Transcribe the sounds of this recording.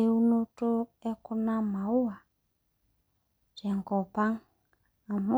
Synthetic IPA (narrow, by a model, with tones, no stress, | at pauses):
e˦u˦nu˦tu˦ɛ˦ku˦na˦ma˨u˦a˨ | t͡ʃa˨ŋkɔ˨pa˦ŋ | a˨mu˦